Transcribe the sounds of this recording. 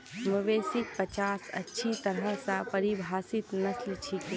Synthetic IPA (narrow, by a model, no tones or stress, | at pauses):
məʋeːsɪk̚pət͡ʃaːsɐ̰tːʃʰit̪ɐɾɦəsapɐɾibʱaːsɪt̪nɐslt͡ʃʰike